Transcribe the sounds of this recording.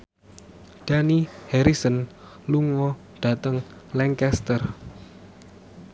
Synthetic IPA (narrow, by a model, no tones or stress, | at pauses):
ɖ̥anihɛɾisən | luŋɔ | ɖ̥a̤t̪əŋ | lɛŋkɛst̪ər